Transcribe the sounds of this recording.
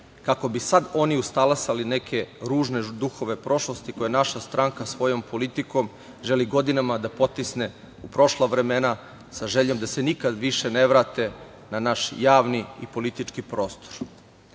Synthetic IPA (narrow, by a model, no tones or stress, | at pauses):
kako̞bisad̪o̞niust̪alasaline̞kʰe̞ɾuːʒned̪uxo̞ʋe̞pɾo̞ʃlo̞st̪ikojanaʃast̪ɾʔaŋkasʋo̞jo̞mpʰo̞lit̪iko̞m | ʒe̞liɡo̞d̪inamad̪apo̞t̪isne̞ | upɾo̞ʃlˠaʋɾe̞me̞na | saʒeʎo̞md̪asenikad̪ʋiʃe̞ne̞ʋɾaːt̪e̞ | nanaʃjaːʋniḭpo̞lit̪it͡ʃkipɾo̞ːst̪oɾ